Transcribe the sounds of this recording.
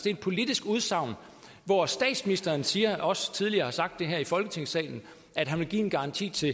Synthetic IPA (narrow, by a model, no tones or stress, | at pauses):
d̥e̝d̥̚pʰo̝lid̥isɡ̥uð̞ˠsɑ̈ʊ̰n | ʋɒsd̥ɛ̰ːd̥sminisd̥ɐːnsiːɐɒ̽sət͡sʰið̞ˠliɐːhɑ̈sɑ̈ɡ̥̚d̥ːe̝ɦæɐ̰ifɒ̽lɡ̥ət͡sʰe̝ŋ̰sɛ̰ɪn̩ | æd̥ɦænʋe̝lɡḭːe̝nɡ̥ɑ̈ʁɑ̈nt͡sʰḭːt͡sʰe̝